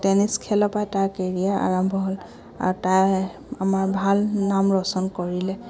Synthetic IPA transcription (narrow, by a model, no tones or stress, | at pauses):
tɛniskʰɛlɔpajtaɹkeɹijaʔa̰ɹambʱɔɦol | a̰ɹutaj | amaɹbʱalnamɹɔsɔnkoɹilɛ